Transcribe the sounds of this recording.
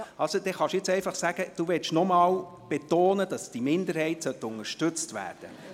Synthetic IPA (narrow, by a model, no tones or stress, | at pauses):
ɑlsod̥̪ɛχɑʃjɛt͡sɛɪfɑχsæɡ̥əd̥uʋɛt͡ʃnɔmɑːl | b̥et̪oːnəd̥ɑsd̥imɪnd̪əɾhɛɪtsœt̪ːəʊnəʃtɵt͡stvæ̰ːrd̥ə